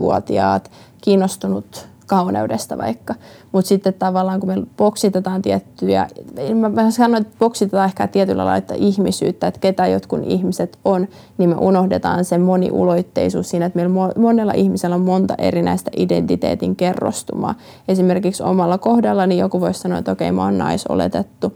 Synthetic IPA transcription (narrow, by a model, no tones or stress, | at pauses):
ʋṵot̪iɑ̰ːt̪kiːnːost̪unut̪ | kɑunḛudest̪ɑʋɑ̰ikːɑmut̪sit̪ːet̪t̪ɑʋɑlːɑːŋkumelpoksit̪et̪ɑːnt̪iɛt̪ːyæ̰mæmæɑnːoiet̪poksit̪et̪ɑːehkæ̰t̪iɛt̪ylʔɑ̰lɑ̰ilɑ̰et̪ːɑ̰ʔihmisy̰ːt̪ːæet̪ket̪æjo̰t̪kunʔḭhmiset̪on | nimmḛʔunohdet̪ɑ̰ːnsemonḭʔṵloit̪ːḛisṵːssiːnæet̪meilomomonelːɑ̰ʔihmiselːommont̪ɑʔḛɾinæ̰ist̪æʔidḛnt̪it̪ḛːt̪iŋkerːo̰st̪umɑ̰ː | esimerkikso̰mɑlːɑkohdɑlːɑnijokuʋoissɑnoːḛt̪okeimɑ̰onnɑ̰iso̰lḛt̪et̪ːu